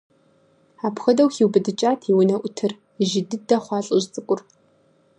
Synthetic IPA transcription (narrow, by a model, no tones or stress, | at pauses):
aːpxɐdɐwxiwbɨdɨt͡ʃʼaːtʰiwʊnɐʔʷʊtʰɨr | ʒɪdɨdɐχʷɑːɬʼɨʑt͡sʼɨkʷʼʊr